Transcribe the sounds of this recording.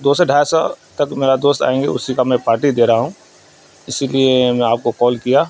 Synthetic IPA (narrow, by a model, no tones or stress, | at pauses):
d̪oːseɖʱaːjsɔ̰t̪ɐkmeːɾad̪oːst̪a̰ːẽːŋɡeʊ̰sikamɛ̃paːɾʈid̪eːɾaɦaɦũ | ɪsiliemɛ̃aːp̚kokɔːlkijaː